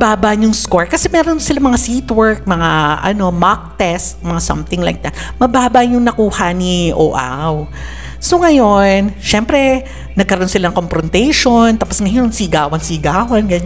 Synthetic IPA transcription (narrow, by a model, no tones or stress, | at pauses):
baːbaʔɲʊŋskoɹkɐsɛmɛːɾonsɪlamɐŋasit̪wɛɹk̚mɐŋaʔɐ̰no̞mak̚t̪ɛst̪̚mɐŋasɐ̰mt̪ɪŋla̰jk̚d̪ɐt̪̚mɐbaːbaɲjʊŋnɐkuːhɐniʔo̰ːʔa̰w | soŋɐjo̞nʃɛmpɾɛ | nɐɡ̚kɐɾɐʔonsɪlaɐŋkompɾɔnt̪ɛjʃont̪aposŋɐjo̞nsiɡaːwɐnsiɡaːwɐnɡɐɲ